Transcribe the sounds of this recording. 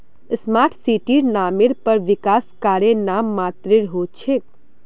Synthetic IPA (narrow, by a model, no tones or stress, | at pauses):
əsmaːɾʈʰsiʈiɾnamɪɾpəɾʋɪkaːskaːɾjenamːaːt̪ɾeɾɦot͡ʃʰe